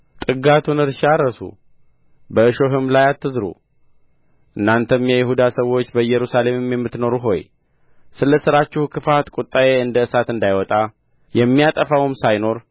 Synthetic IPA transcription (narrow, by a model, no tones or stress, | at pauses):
t̪ʼɨɡat̪ʰunɨɾʃaɾəsṵ | bəʔɨʃo̞ɦɨmlajat̪ːɨzɾṵ | ʔɨnːant̪ʰəmjɛjɪhud̪asəwːo̞t͡ʃːbəɨjːɛɾusale̞mmjɛmːɨt̪no̞ɾuɦo̞̰j | sɨləsɨɾat͡ʃːɪhukʰɨfat̪kʼut̪ʼːajeɨnd̪əɨsat̪ɨnd̪ajwɔt̪ʼa | jɛmːijat̪ʼəfawɨmsajno̞ɾ